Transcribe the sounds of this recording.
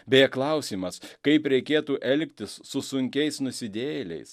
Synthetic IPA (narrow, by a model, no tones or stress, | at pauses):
bʲeːɛklˠɐʊsʲiːmɐskɐɪpɾʲɛɪkʲeːt̪uːʔɛlʲkʲt̪ʲɪsːʊsʊŋʲkʲɛɪsnʊsʲɪd̪ʲeːjlʲɛ̰ɪs